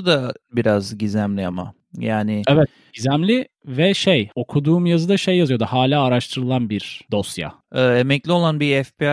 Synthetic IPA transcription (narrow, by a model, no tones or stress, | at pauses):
d̪abiɾazɟizæmlʲiama̰ | jaːnɪɛvɛt̪̚ | ɟizæmlʲi | vɛʃejo̞kʰud̪uːmjazɯd̪aʃe̞jːazɯjod̪uhaːlʲaːɾaʃt̪ʰɯɾɯlˠanbiɾd̪o̞sja̰ | ɛːemɛclʲio̞lˠanbiɛfpi